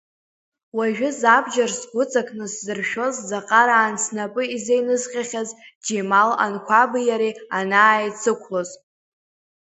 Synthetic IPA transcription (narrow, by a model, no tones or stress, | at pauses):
waʒᶣʊzabd͡ʒarsɡʷʊt͡sʼakʼnɨszɨrʃᶣo̞zzaqʼaɾaːnsʰnapʼɨizejnɨzqʲʼaχʲazd͡ʒemala̰nkʷʰabɨjaɾianaːjt͡sʰɨkʷʰloz